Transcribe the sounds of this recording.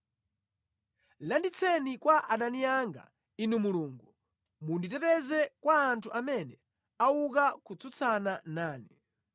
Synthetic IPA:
landit͡sʰɛnikwaʔaɗaniaŋɡa̰ | inumuluːŋɡu | munditɛtɛzɛkwaːntʰuʔamɛnɛ | auk̬akut͡sʰut͡sʰananaːni

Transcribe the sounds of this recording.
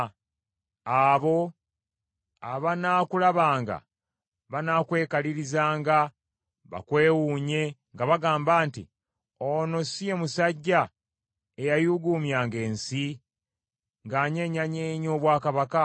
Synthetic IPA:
aβo̞ | aβanakulaβaːŋɡa̰ | βanaːkwe̞ːkaliɾizaːŋɡa | βa̰kwe̞ːwuːɲe̞ŋɡaβaɡaːmbaːntḭ | ono̞sije̞musaɟːa | e̞jajuɡuːmjaːŋɡe̞ːnsi | ŋɡaːɲe̞ɲaɲeːɲo̞ːβwaːkaβaka

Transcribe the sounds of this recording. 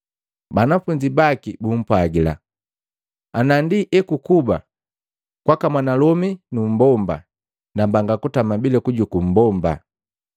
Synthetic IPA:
banafuɲd͡ʒibakibum̩pwaɡila̰ | anandiʔɛkukuba̰ | kwakamwanalɔminum̩bɔmba̰ | nambaŋɡakutamabilɛkuɟukum̩bɔmba̰

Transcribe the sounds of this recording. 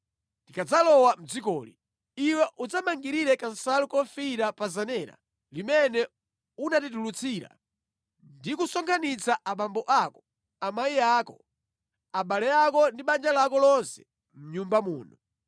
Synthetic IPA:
ndikad͡zalɔwam̩d͡zikɔːlḭ | iwɛʔud͡zamaŋɡiɾiɾɛkasalukɔfiɾapazanɛɾa̰ | limɛnɛ | unatit̬ulut͡sʰiɾa̰ | ndikusɔŋkʰanit͡saʔamambɔʔakɔ̥ | amaiaːkɔ | aɓalɛakɔndiɓand͡ʒalakɔlɔnsɛ̥ | m̩ɲumbamṵːnu

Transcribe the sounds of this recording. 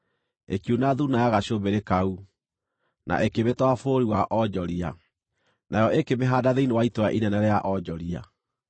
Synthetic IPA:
ekjunaðunajaɣaɕobeɾekau | na̰ʔekeβetwafoɾiwaʔɔd͡ʒɔɾia | najɔʔekemeɦaːdaðeinewaitoaʔinɛnɛɾejaʔɔd͡ʒɔɾia̰

